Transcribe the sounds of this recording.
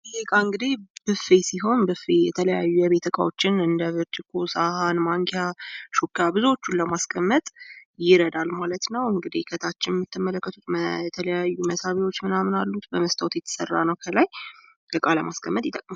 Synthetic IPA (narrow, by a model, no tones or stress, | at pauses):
lekʼaɨŋɡɨd̪ib̥ɨfesiɦo̞nbɨfejɛt̪ʰələjajːujɛβe̞t̪ʰəkʼa̰wot͡ʃːɪnɨnd̪əβɨɾt͡ʃ̪ʰʼɪkʰːosahanmaŋkʰjaʃokːjabɨzuot͡ʃːunləmaskʼʰəmːət̪ʼjɪɾəd̪almalət̪nəwɨŋɡɨd̪ikʰət̪ʰat͡ʃːɪnjɛmːɨt̪ʰːɨmːələkːət̪ʰut̪mət̪ʰələjajːuməsaβiwo̞t͡ʃːmɨnamnalːut̪bəməst̪ʰəwt̪jɛt̪ʰə̥sərːa̰nəwkʰəlaj | ləkʼaləmaskʼʰəmːət̪ʼjɪt̪ʼəkʼm